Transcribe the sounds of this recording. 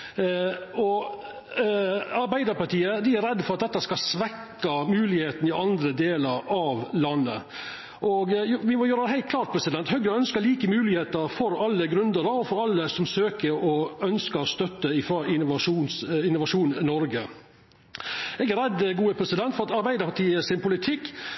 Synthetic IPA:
ɔ | ɑɾbæɪd̪əɾpɑʈiːəd̪ɪæɾɛd̪ːfɔɾɑt̪̚d̪ɛt̪ːəskɑsʋɛkːɑmʉːlɪheːt̪n̩ɪʔɑnd̪ɾəd̪eːləɾɑʋlɑnːə̰ | ʔɔɡʋɪmɔjøːɾəd̪ɛɦæɪt̪kʰlɑːɾʈ̪̚pʰɾɛsɪd̪ɛnt̪hœɡɾəœnskəɭiːkəmʉːlɪheːt̪əɾfɔɾɑlːəɡɾʉnd̪əɾəɔfɔɾɑlːəsɔmsøːkəɔœnskəɾst̪œt̪ːəɪfɾɑɪʋɑʂuːnsɪnːʊʋɑʂuːnnɔɾɡə | ɛɡæɾɛd̪ɡuːəpʰɾɛsɪd̪ɛnt̪fɔɾɑt̪ɑɾbæɪd̪əɾpɑʈiːəsɪnpʰʊlɪt̪ʰɪkː

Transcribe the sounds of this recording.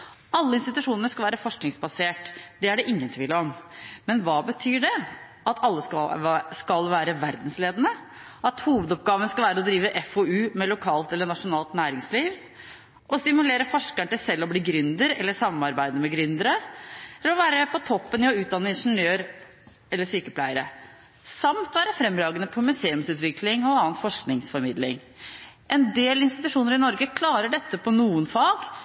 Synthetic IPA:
ɑlːəɪnst̪ɪt̪ʉʂuːnənəʂkɑlʋæːɾəfɔʂknɪŋsbɑseːʈd̪̥ɛæɖɛʔɪŋːənt̪ʰʋiːlɔmmɛnʋɑːbət̪ʰyːɖɛ | ʔɑt̪ʰɑlːəsskɑlʋæːɾəʋæɾd̪n̩sleːd̪ənə | ʔɑt̪huːʋəd̪ɔp̚ɡɑːʋənəskɑlʋæːɾəɔd̪ɾiːʋəʔɛfɔʉːmɛlʊkʰɑːlt̪ɛlːəɳɑʂʊnɑːlt̪næːɾɪŋsliːʋ | ʔɔst̪ɪmʉleːɾəfɔʂkæɳʈ̪ɪlsɛlːɔbliːɡɾʏnd̪əɾɛlːəsɑmɑɾbæɪd̪əmɛɡɾʏnd̪əɾəɛlːəɾɔʋæːɾəpʰɔt̪ʰɔpːənɪɔʉːt̪̚d̪ɑnːəɪnʂənøːɾ | ɛlːəʂyːkəpʰlæɪəɾə | sɑmt̪ʋæːɾəfɾɛmːɾɑːɡənəpʰɔmʉseːʉmsʉːt̪ʋɪkʰlɪŋɔɑːnfɔʂknɪŋsfɔɾmɪd̪lɪ̰ŋ | ʔɛnd̪eːlɪnst̪ɪt̪ʉʂuːnəɾɪnɔɾɡəkʰlɑːɾəɖɛt̪ːəpʰɔnuːənfɑːɡ

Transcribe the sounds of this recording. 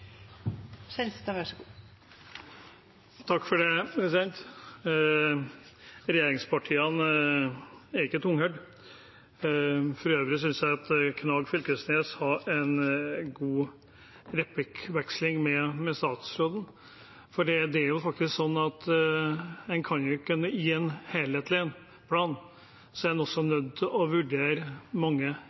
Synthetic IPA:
sɛnst̪ʋæʂəɡuː | t̪ʰɑkːfɔɖɛpʰɾɛsɪd̪ɛnt̪ | ɾɛjeːɾɪŋspʰɑʈʰiːən | æɾɪkːət̪ʰʊŋhœʏɖ | fɾøːʋəɾɪs̬ʏnsjæɪɑt̪kʰnɑːɡfʏlkəsneːshɑɛnɡuː | ɾɛplɪkʋɛkslɪŋmɛmɛst̪ɑːt̪sɾoːd̪n̩ | fɔɖiːd̪ɛæɾjʊfɑk̚t̪ɪsksɔnːɑt̪ | dɛnkʰɑnjʊɪkːʉnːəiːɛnheːlheːt̪lɪən | pʰlɑːn | sɔæɾd̪ɛnɔsːɔnœd̪ːɔʋʉɖeːɾəmɑŋːə

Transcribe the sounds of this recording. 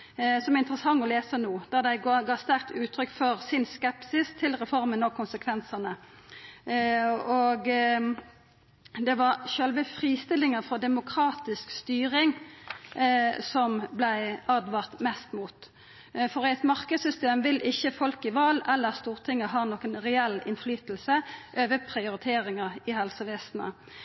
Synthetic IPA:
sɔmɛæʁɪnt̪əɾəsɑŋːɔleːsənuːd̪̥ɑd̪æɪɡɡɑːst̪æʁk̚t̪ʉːt̪ʰɾʏkːfɔʁsɪnskɛpsɪst̪ʰɪlʁɛfɔʁmənɔkʰʊnsəkʰʋɛnsənə | oɡ | d̪ɛʋɑʁʃœlʋəfɾiːst̪ɪlːɪŋəfʁɔd̪ɛmʊkʰɾɑːt̪ɪskst̪yːʁɪŋ | sɔmblæɪɑːd̪ʋɑʁt̪mɛst̪muːt̪ | fɔʁæɪt̪mɑʁkəd̪sʏst̪eːmʋɪlʔɪçːəfɔlkɪʋɑːlɛlːəʁst̪uːʁt̪ʰɪŋːəɦɑːnoːkənʁɛɛlːɪnflyːt̪l̩səʔøːʋəpʰʁɪʊɾɪt̪ʰeːʁɪŋəʁɪhɛlsəʋeːst̪n̩ə̰

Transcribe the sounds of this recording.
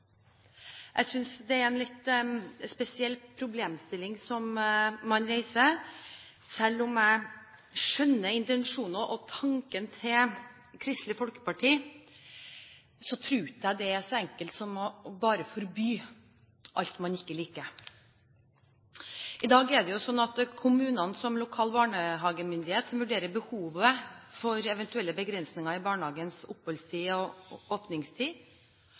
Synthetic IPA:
ʔæɪsʏnsd̪ɛæɾɛnlɪt̪spɛsɪɛlːpʰɾʊbleːmst̪ɪlːɪŋsɔmːɑnɾeɪsəɾ | sɛlːɔmæɪ | ʂœnːəɪnt̪ɛnʂuːnəʔɔt̪ʰɑŋkənt̪ʰɪl | kʰɾɪst̪lɪfɔlkə̥pɑʈʰiː | sɔt̪ʰɾʉːt̪æɪd̪ɛæʂɔɛŋkəlt̪sɔmɔbɑːɾəfɔɾbyː | ʔɑ̰lt̪mɑnɪkːəliːkə | ʔɪd̪ɑːɡɛɖɛjʊsɔnːɑt̪kʰʊmʉːnɑnsɔmlʊkʰɑːlbɑːɳəɦɑːɡəmʏnd̪ɪheːt̪sɔmʋʉɖeːɾəbəhuːʋəfɔɾɛʋɛnt̪ʉɛlːəbəɡɾɛnsnɪŋɑɾɪbɑːɳəhɑːɡənsʊphɔlst̪ʰiːɔoːpnɪŋst̪ʰiː

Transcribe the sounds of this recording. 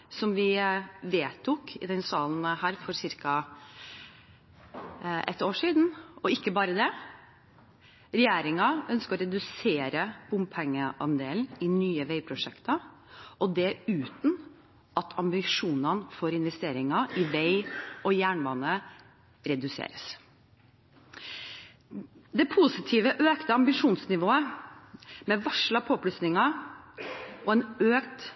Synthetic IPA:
sɔmʋɪʋeːt̪ʰːʊkʰɪ̰d̪ɛnsɑːln̩hæːɾfɔɾsɪɾkɑ | ʔɛt̪ːoːʂiːd̪n̩ɔɪkːəbɑːɾəd̪ɛ | ɾɛjeːɾɪŋɑʔœnskəɔɾɛd̪ʉseːɾəb̥ʊmpʰɛŋːəʔɑnd̪eːlnɪnyːəʋɛɪpʰɾʊʂɛkt̪ɑ | ɔd̪ɛʉːt̪n̩ | ʔɑt̪ʰɑmbɪʂuːnɑnfɔɾɪnʋɛst̪eːɾɪŋɑɪʋɛɪʔɔjæːɳʋɑnə | ɾɛd̪ʉsḛːɾəs | d̪ɛpʰuːsɪt̪ʰiːʋəʔøːkt̪əɑmbɪʂuːnsnɪʋoːə | mɛʋɑʂlɑpʰoːpʰlʉsnɪŋɑ | ɔɛnøːkt̪

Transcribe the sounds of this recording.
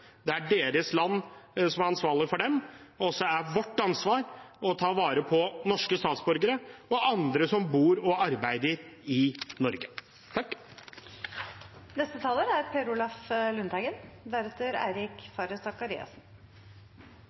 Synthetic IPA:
d̪ɛæɖeːɾəslɑnːsɔmæɾɑnsʋɑːɭɪfɔɖɛmɔsːɔæɾʋɔʈːɑnsʋɑːɾɔt̪ʰɑːʋɑːɾəpʰɔnɔʂkəst̪ɑːt̪sbɔɾɡəɾəɔʔɑnd̪ɾəsɔmbuːɾɔɑɾbæɪd̪əɾɪnɔɾɡə | t̪ʰɑkː | nɛst̪ət̪ʰɑːləɾæɾpʰeɾʊlɑflʉnt̪æɡənd̪æɾɛt̪əɾæ̰ɪɾɪkfɑɾəsɑkɑɾḭːɑ̰sn

